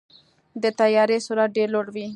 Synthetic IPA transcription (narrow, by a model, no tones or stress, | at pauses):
d̪ət̪ajɑɾesuɾat̪̚ɖeɾloɽwi